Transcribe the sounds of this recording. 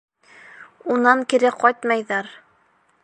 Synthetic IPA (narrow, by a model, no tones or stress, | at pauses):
unɑŋkiɾɘqɒjt̪mɑjðɑɾ